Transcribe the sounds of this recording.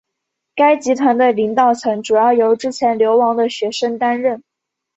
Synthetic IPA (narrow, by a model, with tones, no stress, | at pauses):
ka˥ɪt͡ɕi˧˥t̪ʰwa˧˥nt̪ə˧˩li˧˥ŋt̪ɑ˥˩ʊt͡sʰɤ˧˥ŋʈ͡ʂu˨˩jɑ˥˩ʊjo˧˥ʊʈ͡ʂɻ̩˥t͡ɕʰjɛ˧˥nljo˧˥ʊwɑ˧˥ŋd̪ə˧ɕɥɛ˧˥ʂə˥ŋt̪a˥nɻə˥˩n